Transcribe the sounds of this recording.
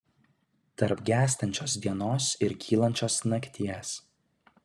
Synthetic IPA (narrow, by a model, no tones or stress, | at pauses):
t̪ɐɾpɡʲæːsʲt̪ʲɐnʲt͡ʃʲoːsd̪ʲiɛnoːsɪɾkʲʰiːlˠɐnʲt͡ʃʲoːsnɐkʲt̪ʲiɛs